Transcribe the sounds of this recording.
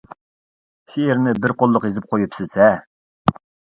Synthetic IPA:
sijeɾnɪbɪɾqʰolˠːʊqizɪp̚qʰojupsɪsɛ

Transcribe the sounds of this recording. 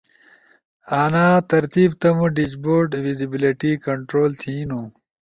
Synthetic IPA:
aːnaːt̪ɐɾt̪iːbt̪ɐmũɖid͡ʑboːɾɖʋizibiliʈikɐɳʈɾoːlt̪ʰĩːnu

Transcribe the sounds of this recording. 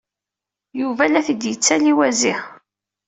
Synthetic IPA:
juvælæθid̪jət͡sːæliwæzɪ

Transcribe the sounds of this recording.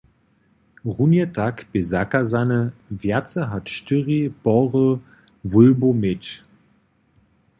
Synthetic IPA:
ʁunjətʰakb̥ezakazanəvɛɐt͡səɦatʃtyʁib̥ɔʁə | vʊlbomɪt͡ʃ

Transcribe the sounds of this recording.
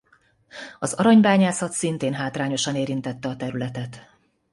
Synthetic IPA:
ɒzɒɾɒɲbaːɲaːsɒt̪sint̪eːnɦaːt̪raːɲo̞ʃɒneːɾint̪ɛt̪ːɛɒt̪ɛɾylɛt̪ɛt̪

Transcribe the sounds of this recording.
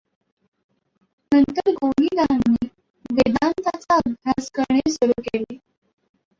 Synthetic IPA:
nənt̪əɾɡoɦiːd̪anːe | d̪ed̪ant̪at͡saəbʱjaskəɾɳesuɾuːkele

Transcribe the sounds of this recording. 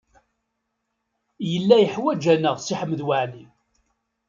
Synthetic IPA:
jəlːæjəħwæd͡ʒænəʁsiħəmːðwaʕli

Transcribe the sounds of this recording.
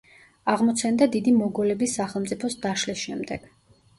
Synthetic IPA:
aʁmɔt̪sʰɛnd̪ad̪id̪imɔɡɔlɛbisːaχɛlˠmt̪sʼipʰɔsd̪aʃlisʃɛmd̪ɛɡ̥

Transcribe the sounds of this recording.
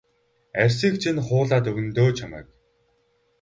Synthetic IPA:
ærʲsiːkt͡ɕʰinχʊːɮaːt̪ɵɣɘ̆nt̪oːt͡ɕʰamæ̰ːk̚

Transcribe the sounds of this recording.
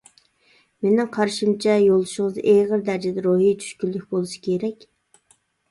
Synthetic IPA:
menɪŋqʰɑɾʃimt͡ʃʰɛjolˠuʃɪŋəzʔeʁəɾd̪æɾd͡ʒɛd̪ɛɾoɦit͡ʃʰy̥ʃkʲylːykʲbolˠuʃi̥kʲʰeɾɛkʲ

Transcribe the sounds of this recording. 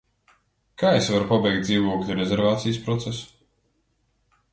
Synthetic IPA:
kaːesvaɾupabɛjk̚t̪d̪ziːvuɔklʲiɾɛzʲɛɾvaːt̪sijspɾɔt̪sesu̥

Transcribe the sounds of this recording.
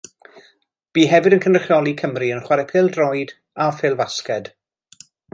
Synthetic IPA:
b̥iːɦɛvɨdənkʰənrəχjɔlˠikʰəmriənχwaɾɛpʰɪlˠdrɔjd | afɪlˠvaskɛd̥

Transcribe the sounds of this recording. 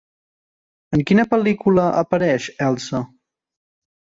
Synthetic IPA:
əŋkinəpəlikuləʔəpəɾɛʃɛlˠsə

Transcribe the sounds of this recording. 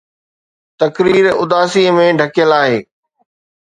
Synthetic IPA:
t̪ɐkɾiːɾʊd̪aːsiːəmẽɖʱɐkjəlaːɦeː

